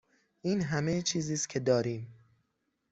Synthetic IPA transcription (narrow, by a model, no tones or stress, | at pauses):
ʔiːnɦæmet͡ʃʰiːziːst̪̚cʲʰe̞d̪ɒːɾiːm